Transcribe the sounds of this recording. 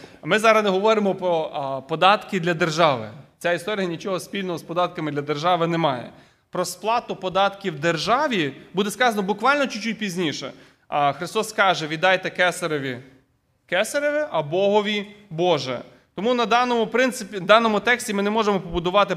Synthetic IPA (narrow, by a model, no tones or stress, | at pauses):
mɪzɑɾɐznɛɦɔʋɔɾɪmɔpɾɔpɔd̪ɑt̪kɪd̪lʲɐd̪erʒɑʋɪ̰t͡sʲaist̪ɔɾʲijɐnʲit͡ʃɔɦɔspʲilʲnɔɦɔspɔd̪ɑt̪̚kɐmɪd̪lʲɐd̪erʒɑʋɪnɛmɑjɛ̰ | pɾɔsplˠɑt̪ʊpɔd̪ɑt̪kʲiwd̪erʒɑʋʲibud̪ɛskɑzɐnɔbʊkʋɑlʲnɔt͡ʃit͡ʃːut̚ʲpʲizʲnʲiʃɛ̰ | xɾɪst̪ɔskɑʒɛʋʲid̪ɑjt̪ɛkɛsɐɾɔʋʲi | kɛsɐɾɪʋɪʔɐbɔɦɔʋʲibɔʒɛ̰ | t̪ɔmunɐd̪ɑnɔmʊpɾɪnt̪sɪpʲid̪ɑnɔmʊt̪ɛksʲtʲimɪnɛmɔʒemɔpɔbʊd̪ʊʋɑt̪ɪ